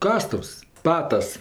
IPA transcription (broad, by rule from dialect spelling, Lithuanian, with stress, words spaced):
ˈkɑːstʊws ˈpɑːtɐs